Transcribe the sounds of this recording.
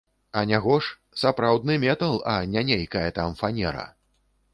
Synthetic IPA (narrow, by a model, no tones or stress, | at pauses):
ɐnʲaɣɔʂ | sapɾawd̪̚nɨmʲɛt̪ɐlˠɐnʲanʲejʲkɐjɐt̪amfanʲɛ̰ɾɐ̰